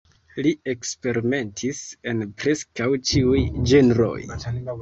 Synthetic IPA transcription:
lie̞kspe̞ɾime̞ntʰise̞npɾe̞skawt͡ʃiujd͡ʒe̞nɾo̞̰j

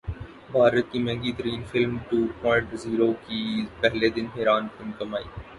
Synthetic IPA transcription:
bʱaːɾət̪̚kimɛ̃ːŋɡiːt̪əɾiːnfɪlmʈuːɾpɔ̃ɪʈziːɾokipɛɦled̪ɪnɦeːɾaːnfɪnkɐmaːḭː

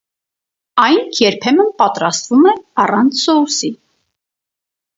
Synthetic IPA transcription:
ɑjnʰjɛɾpʰɛmənpɑt̪ɾɑst̪vumɛɑrɑnt͡sʰsɔusi

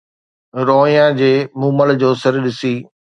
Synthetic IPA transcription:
ɾoːĩjãd͡ʑeːmũːməɭd͡ʑoːsɐɾɗɪsiː

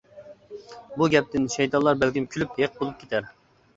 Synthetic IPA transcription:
buɡʲɛp̚t̪ɪnʃɛjt̪ʰɑnlˠɑɾbɛlkʲimkʲʰylyp̚heq̚bolˠup̚kʰʲe̥t̪ʰæɾ

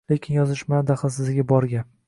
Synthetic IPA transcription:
le̞kʲʰɪnjɒzɪʃmad̪aχɨlˠsɪzɪɡʲabɒɾɡʲa

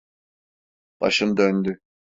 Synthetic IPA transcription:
b̥a̰ʃɯnd̪ønd̪y

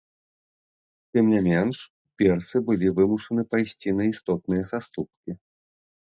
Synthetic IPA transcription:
t̪ɨmnʲamʲɛnʂ | pʲɛrt̪sɨbɨlʲivɨmuʂɐnɨpajsʲt͡sʲinɐist̪ɔt̪̚nɨjɐsast̪up̚kʲi

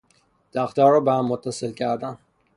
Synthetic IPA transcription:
d̪̥æxt̪ɒːɾɒːbehæmːot̪ʰːæselcʰæɾd̪æn

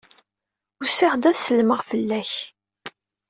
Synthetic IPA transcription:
ʊsɪʁd̪æθsəlməʁfəlːæç

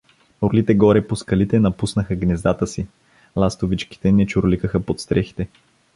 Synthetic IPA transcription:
oɾlit̪ɛɡɔɾɛposkɐlit̪ɛnɐpusnəxəɡnɛzd̪at̪əsi | lˠast̪ovit͡ʃki̥t̪ɛnɛt͡ʃoɾolikəxəpot̪st̪ɾɛxi̥t̪ɛ

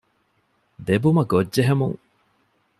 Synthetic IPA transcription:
d̪ebumɐɡodʒeɦemṵŋ

